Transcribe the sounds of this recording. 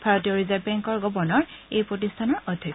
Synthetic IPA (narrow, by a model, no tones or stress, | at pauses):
bʱaɹɔtijɔɹizad̚bɛŋkɔɹɡɔbɔɹnɔɹejpɹot̬istʰanɔɹɔdʱje